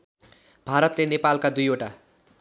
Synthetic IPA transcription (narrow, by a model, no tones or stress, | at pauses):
bʱaɾʌt̪lenepalkad̪ujoʈa